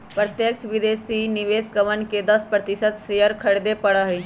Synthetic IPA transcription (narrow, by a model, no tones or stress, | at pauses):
pɾət̪jəkt͡ʃʰʋɪd̪eːsinɪʋeːskəʋənked̪ɐspɾət̪ɪsət̪seɦəɾkʰɐɽd̪epɐɽaɦiː